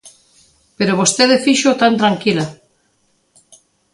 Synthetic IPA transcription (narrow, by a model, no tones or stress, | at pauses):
peɾoβost̪eðefiʃot̪ant̪ɾaŋkila